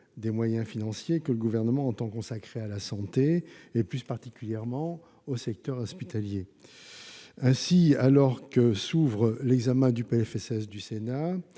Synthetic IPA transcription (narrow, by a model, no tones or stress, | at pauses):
d̪emwajɛ̃finɑ̃sjekələɡuvɛʁnəmɑ̃ːt̪ɑ̃kɔ̃sakχealasɑ̃t̪eːplyspaʁt̪ikʲyljɛʁmɑ̃ | osɛk̚t̪œʁɔspit̪alje | ɛ̃sialɔʁkəsuvʁəlɛɡzamɛ̃d̪ypeɛfɛsɛsd̪ysena